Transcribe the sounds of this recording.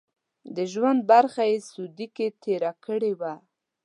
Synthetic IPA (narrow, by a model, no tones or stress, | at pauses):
d̪əʒwand̪̚baɾxajesud̪iket̪ʰeɾakəɽewa